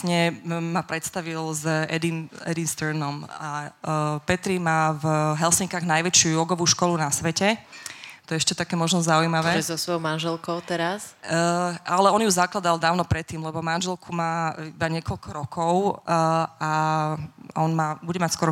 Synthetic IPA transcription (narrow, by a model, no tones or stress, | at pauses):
ɲɛmapɾɛt̪st̪aʋilzɛd̪inɛ̰d̪inst̪əɾnɔma | pɛt̪ɾimaːvɦɛlsiŋkaːɣnajʋɛt͡ʃɪuɔɡɔʋuːʃkɔlunasʋɛcɛ | t̪ɔjɛɛʃcɛt̪akɛːmɔʒnɔzaujmaʋɛːɔɛzɔsʋɔjɔʊmanʒɛlkɔʊt̪ɛɾas | ʔalɛɔnjuzaklad̪alˠd̪aːʊnɔpɾɛt̪ːiːmlɛbɔmanʒɛlkʰumaːibaɲɪɛkɔʎkʰɔɾɔkʰɔʊ | a | ɔnmabuɟɛmacskɔɾɔ